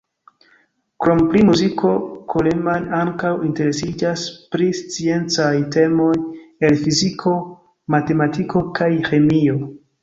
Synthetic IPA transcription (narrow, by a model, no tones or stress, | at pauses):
kɾomplimuzikʰo̞kʰolemanaŋkawinte̞ɾe̞sid͡ʒaspɾist͡sie̞nt͡sajte̞mo̞je̞lfizikʰo̞ | mate̞matiko̞kʰajxemio̞